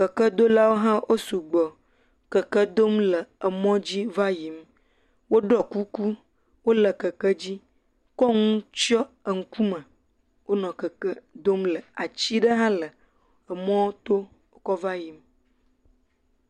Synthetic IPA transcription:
kə˨kə˦d̪o˦la˦wo˦ɦã˦wʔo˦su˨ɡ͡bɔ˨ | kə˨kə˦d̪o˦mlə˨ə˨mɔ̃˦d͡ʑi˦va˦ji˨m | wo˦ɖɔ˦ku˦ku˦ | wo˦lə˨kə˨kə˦d͡ʑi˦ | kɔ˦ŋũ˦t͡ʃɔ˦ə˨ŋ̩˨ku˦mə̃˨ | wo˦nɔ̃˨kə˨kə˦d̪o˦mlə˨a˨t͡ɕi˦ɖə˦ɦã˦lə˨ | ə˨mɔ̃˦wo˦t̪o˦ | o˦kɔ˦va˦ji˨m

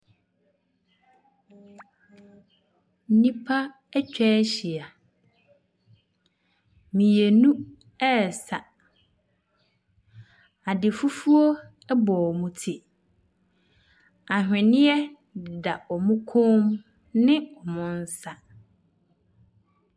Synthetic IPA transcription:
n̩˦nĩ˦pʰa˦ | ɛ˦t͡ɕᶣɛ˦ɕi˨a˨ | mĩ˨je˨nũ˦ | ɛ˦˨sa˨ | a˨dɪ˨fu˦fu˦o˦ | ɛ˦bɔ˨ɔ˨mʊ̃˨tʰi˨ | a˨hᶣɪ̃˨nɪ̃˦ɛ˦ | dɪ˨da˨ɔ˨mʊ̃˦kʰõ˦m | nɪ̃˦ɔ˨mʊ̃˦n˦sa˦

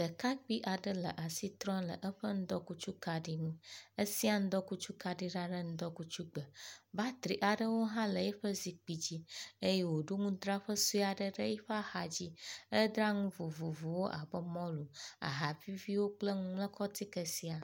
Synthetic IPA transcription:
d̪ə˨ka˦k͡pi˦ʔa˨ɖə˦lə̰˨ʔa˨si˦t̪ɾɔ̃˦lə̰˨ʔə˦ɸə˦ŋ̩̃˦d̪ɔ˦ku˦t͡ʃu˦ka˨ɖi˦nũ˦ə˦si˦a˨ŋ̩̃˦d̪ɔ˦ku˦t͡ʃu˦ka˨ɖi˦ɖa˦ɖə˦ŋ̩̃˦d̪ɔ˦ku˦t͡ʃu˦ɡ͡bə˨ba˦t̪ɾi˨ʔa˨ɖə˦wo˦ɦã˦lə˨jɛ˦ɸə˦zi˨k͡pi˨d͡ʑi˦ə˦jɛ˦wo˨ɖu˦ŋũ˦d̪ɾa˦ɸə˦su˦a˨ɖə˦ɖə˦jɛ˦ɸa˦ha˨d͡ʑi˦ə˦d̪ɾa˦ŋũ˦vo˨vo˨vo˨wo˦ʔa̰˨bə˦mɔ̃˦lu˨a̰˨ɦa˨vi˦vi˦wo˦k͡plə˦ŋũ˦mlə˦kʰɔ˦t̪i˦kə˨si˦a˨

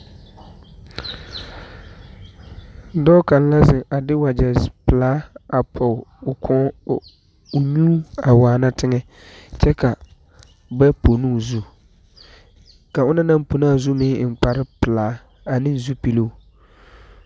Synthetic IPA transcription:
dɔː˦ka˨n˦la˦zɪ˨ʔa˨dɪ˦wa˨d͡ʒa˨zpɪ˨laː˨˦a˨pʰɔ˨ʊ˨kʰɔ˦ | ʊ˨ɲuː˦a˨waː˨na˦tɪ˦ŋɛ˦ | t͡ʃɛ˦ka˨ | bɛ˦po˨nu˦˨zu˦ | ka˨ʊ˦na˦na˦mpo˨naː˦˨zu˦mɪ̃˦ɪ˨n˨k͡pa˨ɾɪ˦pɪ˨laː˨˦ | a˨nɪ̃˦nzu˦pi˦lo˦u˨

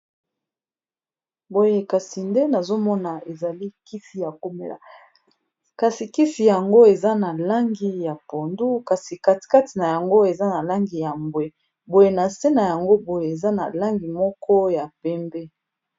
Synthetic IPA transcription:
bo˨je˨ka˨si˨nde˦na˨zo˦mɔ˦na˨e˨za˨li˦ki˦fi˨ja˨ko˦mḛ˦la̰˨ | ka˨si˨ki˦fi˨ja˨ŋɡo˦e˨za˦na˨la˦ŋɡi˦ja˨po˨ndu˦ka˨si˨ka˨ti̥˨ka˦ti˨na˨ja˨ŋɡo˦e˨za˦na˨la˦ŋɡi˨ja˨mbwe˨ | bo˨je˨na˨se˦na˨ja˨ŋɡo˦bo˨je˨e˨za˦na̰˨la˦ŋɡi˨mɔ˦kʰɔ˦ja˨pɛ˦mbɛ˦

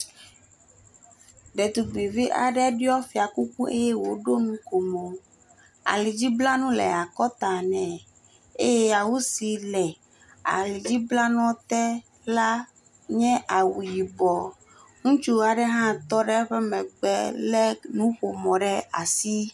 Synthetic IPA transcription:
ɖɛ˨t̪u˨ɡ͡bi˨vi˦ʔa̰˨ɖɛ˦ɖi˦ɔ˦fi˨a˨ku˦ku˦ʔḛ˦jɛ˦wo˨ɖo˦nũ˦ko˨mo˨ | a̰˨li˨d͡ʑi˦bla˦nũ˦lɛ̰˨a˨kɔ˦t̪a˨nɛ̃˨ | e˦jɛ˦ja˨wu˦si˨lɛ˨ | a̰˨li˨d͡ʑi˦bla˦nɔ̃˦t̪ɛ˦ | la˦ | ɲɛ̃˦ʔa˨wu˨ji˨bɔ˨ | ŋũ˦t͡ʃu˦a˨ɖɛ˦ɦã˦t̪ɔ˦ɖɛ˦ɸɛ˦mɛ̃˨ɡ͡bɛ˦lɛ˦nũ˦ɸo˨mɔ̃˨ɖɛ˦a̰˨si˦

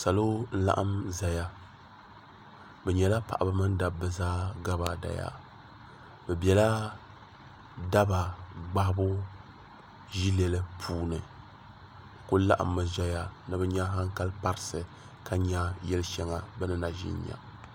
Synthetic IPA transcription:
sa˨lo˦n̩˦la̰˦ʔa˦mza˨ja˦ | bɛ˨ɲɛ˨la˦pa˨ʔa˨bɨ˨˦mɨ˦n˦da˨bːɨ˨zaː˦ɡa˦ba˦da̰˨ja̰˦ | bɛ˨bjɛ˨la˦ | da˦ba˨ɡ͡ba˦hbʊ˦ | ʒi˦lɛ˨lɨ˦pʰuː˦nɨ˨ | ko˦la̰˦ʔa̰˨mːɨ˨ʒa˦ja˦nɨ˨bɛ˦ɲa˦ɦa˦ŋ˦ka˦lpa˦ɾɨ˦sɨ˨ | ka˦ɲa˦jɛ˦lʃɛ˦ŋa˨bɛ˦nɨ˦na˨ʒḭ˦ɲ˦ɲa̰˨

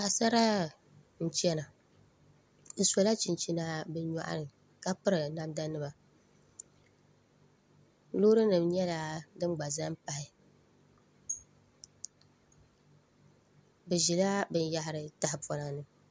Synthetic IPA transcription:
a˨sa˦ɾa˦ | n̩˦t͡ʃɛ˦na˨ | n̩˨so˨la˦t͡ʃi˨nt͡ʃi˦na˦bɨ˦ɲa̰˨ʔa̰˦ɾɨ˨ | ka˦pɨ˦ɾɨ˨na˦mda˦nɨ˦ma˨ | lo˦ɾɨ˦nɨ˨mɲɛ˦la˨dɨ˦m˦ɡ͡ba˨za˦m˦pa˨hɪ˨ | bɨ˨ʒi˨la˦bɨ˦n˦ja˦hɪ˨ɾɨ˨ta˨hɪ˨pɔ˨na˨nɨ˦

